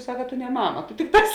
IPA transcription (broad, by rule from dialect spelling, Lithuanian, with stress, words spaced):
ˈsɑːkɐ ˈtʊ nʲɛ ˈmɑːmɐ ˈtʊ ˈtʲɪkˌtɑːs